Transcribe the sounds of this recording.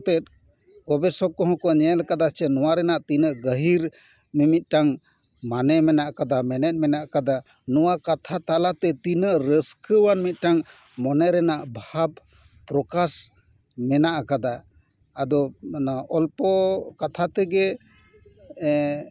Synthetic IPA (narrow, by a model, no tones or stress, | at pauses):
t̪ɛt̪̚ | kɔbɛsɔkɔɦɔ̃kɔɲɛlkad̪at͡ʃɛnɔwaɾɛnaʔt̪inəʔɡəɦiɾ | mimit̪̚ˀʈaŋ | manɛmɛnaʔkad̪amɛnɛt̪̚mɛnaʔakad̪a | nɔwakat̪ʰat̪alat̪ɛt̪inəʔɾəskʰəwanmit̪̚ˀʈaŋ | mɔnɛɾɛnaʔbʱab | pɾɔkas | mɛnaʔakad̪aː | d̪ɔ | ɔlpɔkat̪ʰat̪ɛɡɛ